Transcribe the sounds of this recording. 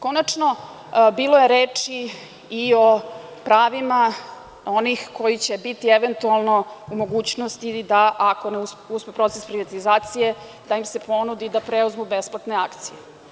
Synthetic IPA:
ko̞nat͡ʂno̞ | biːlˠoje̞ɾeːt͡ʂi | io̞ | pɾaːʋima | o̞nixkojit͡ɕe̞bit̪ieʋent̪ualˠno̞umo̞ɡuːt͡ɕnost̪id̪aʔako̞neususpepɾo̞t̪sespɾiʋat̪izaːt̪sije̞ | d̪aimse̞po̞nud̪id̪apɾeuzmubesplˠat̪ne̞akt̪sije

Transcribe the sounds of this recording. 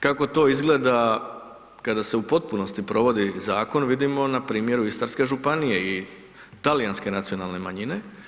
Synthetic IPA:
kako̞t̪o̞izɡle̞ːd̪a | kad̪aseupo̞t̪̚puno̞st̪ipɾo̞ʋo̞d̪izaːko̞nʋid̪imo̞napɾiːmje̞ɾuist̪aɾske̞ʒupanije̞i | t̪alijanske̞nat̪sio̞nalne̞maɲine̞

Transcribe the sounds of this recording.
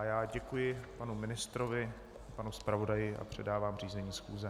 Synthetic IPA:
ajaːɟɛkujɪpanumɪnɪst̪ɾovɪ | panuspɾavo̞dajɪʔa̰pr̝̥ɛdaːvaːmr̝iːzɛɲiːsxuːzɛ

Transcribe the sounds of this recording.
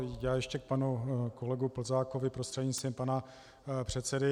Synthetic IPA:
jaːjɛʃcɛk̚panuko̞lɛɡupl̩zaːko̞vɪpɾost̪r̥ɛɲisɛmpana | pr̝̥ɛt̪t͡sɛdɪ

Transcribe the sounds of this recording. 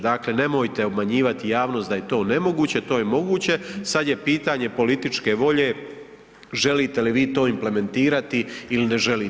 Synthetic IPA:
d̪akle̞ne̞mo̞jt̪e̞o̞bmaɲiːʋat̪ijaːʋno̞sd̪ajet̪o̞ːne̞mo̞ɡuːt͡ɕe̞t̪oːjemo̞ɡuːt͡ɕe̞sad̪je̞piːt̪aɲe̞po̞lit̪it͡ʃke̞ʋo̞ʎe̞ː | ʒelit̪eliʋiːt̪o̞ːimple̞me̞nt̪iːɾat̪iiline̞ʒeli

